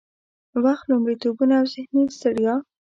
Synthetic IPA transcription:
waxt̪lomɽit̪obunaːwzɪhnisaɽjɑ

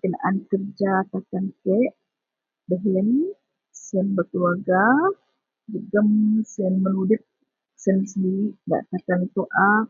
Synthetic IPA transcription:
kəna̰ʔankərd͡ʒat̪akankɛʔ | bəɦlən | sənbəkluwaɡa | d͡ʒəɡəmsənmənudɪt̪̚ | sənsəndiiʔda̰ʔt̪akant̪oʔaf

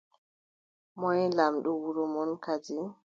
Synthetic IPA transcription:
mɔjlamɗuwuɾɔmɔnkad͡ʒi

